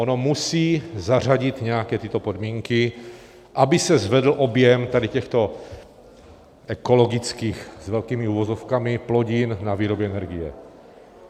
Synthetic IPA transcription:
onomusiːzar̝aɟɪt̪ɲɛakɛːt̪ɪt̪o̞pod̪miːŋkɪ | ʔabɪsɛzvɛd̪l̩ʔo̞bjɛmt̪adɪcɛxt̪o̞ | ʔɛko̞lo̞ɡɪt͡skiːxzvɛlkiːmiuvozofkamɪploɟɪnnaviːɾobjɛɛnɛɾɡɪjɛ̰

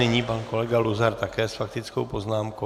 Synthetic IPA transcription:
ɛɲiːpaːnkɔlɛɡaluzaɾt̪akɛːsfakt̪it͡skowpɔznaːmkɔ

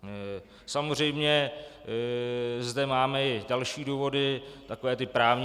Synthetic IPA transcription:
samor̝ɛjmɲɛ | zdɛmaːmɛɪdalʃiːduːvo̞dɪt̪akovɛːt̪ɪpɾaːvɲ

